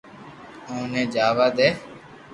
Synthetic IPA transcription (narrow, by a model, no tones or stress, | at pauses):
õːnẽːd͡ʒaːʋaːd̪eː